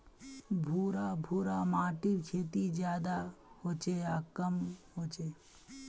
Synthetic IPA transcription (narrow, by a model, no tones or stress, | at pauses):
bʱuːɾabʱuːɾamaːʈiɾkʰeːt̪id͡ʒjaːd̪ahoːt͡ʃeakəmɦoːt͡ʃe